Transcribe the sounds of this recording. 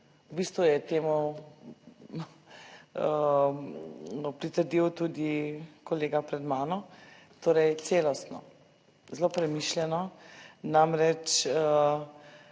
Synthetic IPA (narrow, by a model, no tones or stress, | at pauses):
wbist̪ʋujɛt̪eːmu | pɾit̪əɾd̪iwt̪ud̪ikɔleːɡapɾɛd̪maːnɔ | t̪oːɾɛjt̪seːlɔst̪nɔ̰ | zloːpɾɛmiʃlʲjɛnɔnamɾɛt͡ʃə